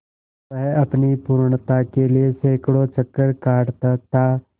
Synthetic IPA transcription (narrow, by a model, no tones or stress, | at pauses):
ɐɦɐpnipuːɾɳt̪akelieseːkɽot͡ʃəkːəɾkaːɽt̪at̪a